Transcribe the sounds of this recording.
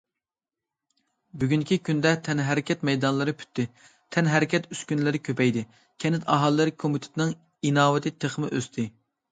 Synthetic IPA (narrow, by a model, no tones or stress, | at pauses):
byɡʲyŋkʲikʲʰynd̪ɛt̪ʰɛnɦɛɾɪkʲʰɛt̪mɛjd̪ɑnlˠɨɾɨpʰy̥t̪ʰːɪ | t̪ʰɛnɦɛɾɪkʲɛt̪yskʲynlɪɾɪkʲʰøpɛjd̪ɪ | kʲʰɛnɪt̪ʰɑɦɑlˠːɨɾkʰomyt̪ʰɪ̥t̪nɪŋ | inɑːwɪt̪ʰɪt̪ʰeχmɪʔøst̪ʰɪ